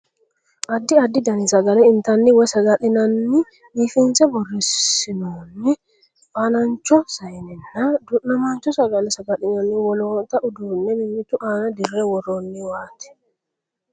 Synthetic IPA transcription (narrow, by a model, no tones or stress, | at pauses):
ʔɐd̪ːɪɐd̪ːɪd̪ɐnɪsɐɡɐlɛɪnt̪ɐnːɪwɛsɐɡɐᶑɪnɐnːɪ | biːfɪnsɛbɔrːɪsɪnonːɪ | ʔaːnɐɲt͡ʃːɔsɐjnɪnːɐd̪ʊnɐmant͡ʃːɔsɐɡɐlɛsɐɡɐᶑɪnɐnɪwɔloːt̪ɐʔʊd̪uːnːɛmɪɲːɪt̪ʊʔaːnɐd̪ɪrːeːwɔrːoːnːɪwaːt̪ɛ̥